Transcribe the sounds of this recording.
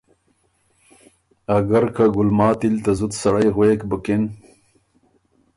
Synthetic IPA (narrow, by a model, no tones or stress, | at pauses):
ɐɡɐɾkʰaɡʊlmɑːt̪ilt̪azut̪sɐɽajɣweːkbəken